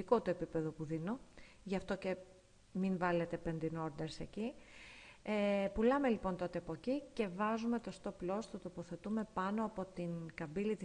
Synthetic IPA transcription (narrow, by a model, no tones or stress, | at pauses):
iko̞t̪oepipe̞ðo̞puðino̞ | ʝɐft̪o̞ce̞ | minvɐle̞t̪e̞pend̪ino̞ɾd̪e̞ɾseci | epulɐme̞lipo̞nt̪o̞t̪eɐpo̞cice̞vɐzume̞t̪o̞st̪o̞plo̞st̪ut̪o̞po̞θe̞t̪ume̞pɐno̞ɐpo̞t̪inkɐbiliði